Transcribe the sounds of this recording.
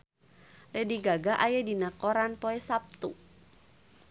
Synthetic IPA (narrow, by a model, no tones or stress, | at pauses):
lɛdiɡaɡaʔajadinakɔɾanpɔɛsap̚t̪ṵ